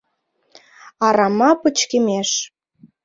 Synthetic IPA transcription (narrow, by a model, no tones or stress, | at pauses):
ɑɾɑmɑpət͡ɕkemeʃ